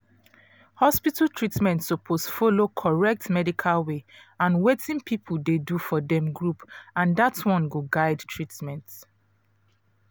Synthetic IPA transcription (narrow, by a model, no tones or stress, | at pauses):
hɔspitaltʰɹitmɛ̃ntsopʰosfolokʰɔɹɛk̚tmɛdikʰalweãnwetĩnpʰipʰuldedufɔdɛ̃mɡɹupãndatwɔ̃nɡoɡaɪdtʰɹitmɛ̃nts